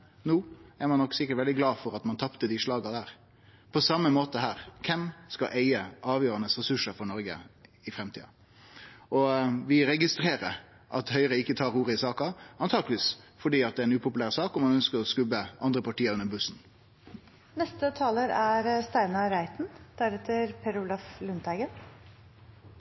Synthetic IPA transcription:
nuːæɾmɑnɔkːsɪkːəʈʋɛld̪ɪɡlɑːfɔɾɑt̪mɑnt̪ʰɑpt̪əd̪ɪʂɭɑːɡɑd̪æːɾ | pʰɔsɑmːəmoːt̪əhæːɾkʰɛmskɑʔæɪəʔɑːʋjøːɾɑnəsɾɛsʉʂəɾfɔɳɔɾɡə̰ɪfɾɛmt̪ʰiːɑ̰ | ʔɔʋɪɾɛɡɪst̪ɾeːɾəɾ | ʔɑ̰t̪hœʏɾəɪkːət̪ʰɑːɾuːɾəɪsɑːkɑɑnt̪ʰɑːɡləʋiːsfɔɖiːɑt̪̚d̪ɛæɾɛnʉːpʊpʉlæːʁsɑːkɔmːɑnœnskəɾɔskʉbːəʔɑnd̪ɾəpʰɑʈiːəɾʉnːəɾbʉsn̩ | nɛst̪ət̪ʰɑːləɾæɾst̪æɪnɑɾæɪt̪n̩d̪̥æɾɛt̪ʰəɾpʰɛɾʊlɑflʉnt̪æɡən

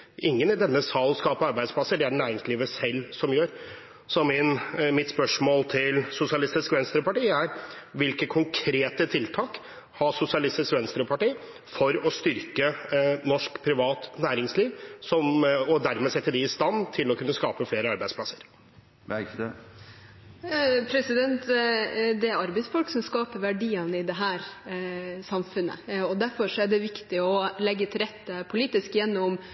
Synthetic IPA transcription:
ɪŋːənɪd̪ɛnːəsɑlːskɑːpəɑɾbæɪd̪spʰlɑsːəɖɛæɳæːɾɪŋsliːʋəsɛlːsɔmjøːɾ | sɔmɪnmɪt̪spœʂmoːlt̪ʰɪlsʊsɪɑlɪst̪ɪskʋɛnst̪ɾəpɑʈiːæɾʋɪlkəkʰʊŋkʰɾeːt̪ət̪ʰɪlt̪ʰɑːk | hɑʂʊsɪɑlɪst̪ɪskʋɛnst̪ɾəpʰɑʈiː | fɔɾɔst̪ʏɾkənɔʂkpʰɾɪʋɑːt̪næːɾɪŋsliːʋsɔmɔd̪æɾmɛsɛt̪ːəɖ̪ɪɪst̪ɑnːt̪ʰɪlɔkʉnːəskɑːpəfeːɾəɑɾbæɪsplɑsəɾ | pʰɾɛsɪd̪ɛnt̪ | d̪ɛæɾɑɾbɛɪsfɔlksɔmskɑːpəɾʋæɖiːɑnəɪd̪ɛɦæːɾ | sɑmfʉnə̰ɔd̪æɾfɔʂɔæɖɛʋɪkt̪ɪɔlɛɡːət̪ʰɪlɾɛt̪ːəpʰʊliːt̪ɪskjɛnːɔm

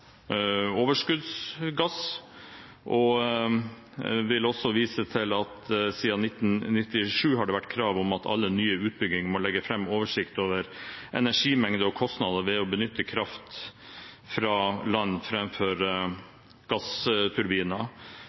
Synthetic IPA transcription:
oːʋəʂkʉd̪sɡɑs | ʔɔ | ʋɪlɔsːɔʋiːsət̪ʰɪlɑt̪siːɑnɪt̪ːnnɪt̪ːɪʂʉːɦɑɖɛʋæʈːkʰɾɑːʋɔmɑt̪ʰɑ̰lːənyːəʉːt̪̚bʏɡɪŋmɔlɛɡːəfɾɛmːoːʋəʂɪkt̪oːʋəɾʔɛ̰næʂiːmɛŋd̪əɔkʰɔst̪nɑd̪əʋɛɔbənʏt̪ːəkʰɾɑft̪ | fɾɑːlɑnːfɾɛmføɾ | ɡ̥ɑst̪ʰʉɾbiːənə

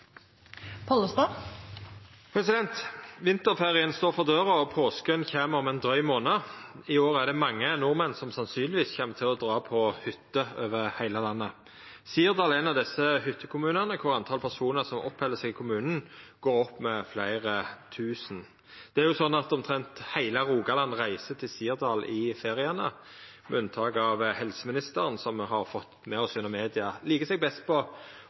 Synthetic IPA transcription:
pʰɔləst̪ɑ | pʰɾɛsɪd̪ɛnt̪ʋɪnt̪əɾfeːʁɪənst̪oːʁfɔʁd̪øːʁəɔpʰoːskənçeːməɔmɛnd̪ʁœʏmoːnə | ɪoːʁæʁd̪ɛmɑŋːənʊʁmɛnsɔmsɑnsyːnlɪʋiːsçɛmːət̪ʰɪlɔd̪ʁɑːpʰɔhʏt̪ːəøːʋəʁhæɪləlɑnːə | siːəʁd̪ɑlɛnɑʋd̪ɪsəhʏt̪ʰːəkʰʊmʉːnəʁnəkʰʊɾɑnt̪ʰɑːlpʰæʁsuːnəʁsɔmʔɔ̰phɛlːəsɛɡɪkʰʊmʉːnn̩ɡ̥oːɾɔpːmɛflæɪʁət̪ʰʉːsn̩ | d̪̥ɛæɾjʊsɔnːɑt̪ɔmt̪ʰɾɛnt̪hæɪləʁuːɡɑlɑnːʁæɪsət̪ʰɪlsiːʁd̪ɑːlʔɪfeːʁɪənə | mɛ̰ʉnt̪ʰɑːkɑʋhɛlsəmɪnɪst̪əʁənsɔmɦɑʁfɔt̪mɛɔsjɛnɔmeːd̪ɪɑliːkəsɛɡ̚bɛst̪̚pʰɔ

